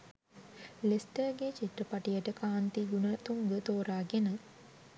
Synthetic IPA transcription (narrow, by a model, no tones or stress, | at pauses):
lesʈəɡet͡ʃiʈ̪rəpaʈijəʈəkaːnt̪iɡunət̪uŋɡət̪oːɾaːɡenə